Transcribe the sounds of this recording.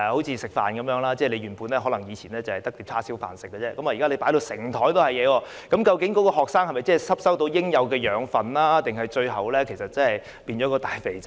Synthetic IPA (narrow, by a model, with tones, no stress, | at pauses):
ho˨˥wt͡sʰiː˧sɪ˨˩k̚fa̰ː˨nkɐ˨˦mjœː˨˥ŋlaː˥t͡sɛː˥˩le˨˧jɥyː˨˩puː˨˧nɛː˥ɦɔː˨˥lɐ˨˩ŋjiː˨˧t͡sʰiː˨˩nɛː˥t͡sɐ˨˩hjt̪ɐ˥k̚t̪iː˧p̚t͡sʰaː˥si˨˥wfa̰ː˨˩nsɪ˨kːɛː˧t͡sɛː˧˥kɐ˨˦mwaː˨ji˨ka˥e˧paː˨˥jd̪o˧wsɪ˨˩ŋt̪ʰɔː˨˥jt̪o˥whɐ˨jɛː˨˧wɔː˧ | kɐ˨˥mkɐ˧wkɪ˨˥ŋkɔː˨˥kɔː˧ɦɔː˨k̚saː˥ŋhɐ˨jmɐ˨jt͡sɛː˥˨˩sɐ˥p̚sɐ˥wt̪o˧wjɪ˥ŋjɐ˨˧wkɛː˧jœː˨˥ŋfɐ˨nlaː˥t̪ɪ˨ŋɦɐ˨jt͡ʃɵ˧ɥɦɐ˨wlɛː˥kʰe˨˩jsɐ˨t̚t͡sɐ˥hɐ˨j | piː˧nt͡ʃɔː˨˥kɔː˧t̪aː˨jfe˨˩j